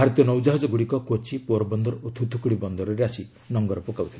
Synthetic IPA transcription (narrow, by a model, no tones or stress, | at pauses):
bʱaɾɔt̪ijɔnowd͡ʒaɦɔd͡ʒɔɡuɽikɔkot͡ʃipuɔɾɔbɔnd̪ɔɾɔut̪ʰːut̪ʰukuɽibɔnd̪ɔɾɔɾeasi | nɔŋɡɔɾɔpɔkawt̪ʰile